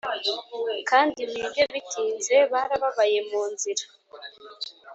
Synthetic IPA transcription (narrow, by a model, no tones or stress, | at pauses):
kaːndimiβjoβitʰiːnze̞βaːɾaβaβaje̞muːnziɾa